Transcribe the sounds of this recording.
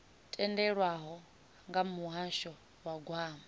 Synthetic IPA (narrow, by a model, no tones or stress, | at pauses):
tʼɛndɛɺwaɦɔ | ŋɡamuɦaʃɔ | waɡwaːma